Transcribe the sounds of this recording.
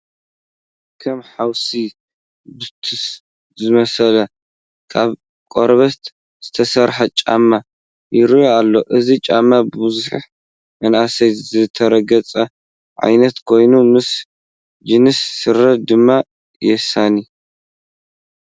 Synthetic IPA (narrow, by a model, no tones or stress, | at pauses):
kʰɐmħawsi | bɨt̪ʰɨs | zɨmɐsɐlɐ | kʰaβ | kʼoɾβɐt̪ | z̥ɨt̪ʰɐsɐɾħɐt͡ʃʼa̰mːa | jɪɾjoalːo̞ʔɨzit͡ʃʼamːabɨbɨzuħħ | mɐnʔasɐjzɨt̪ʰɐɾɐɡɐt͡sʼɐ | ʕa̰jnɐt̪kʰo̞jnumɨs | d͡ʒɨnɨsːɨɾɐt̪̚d̪ɨmːa | jɛsani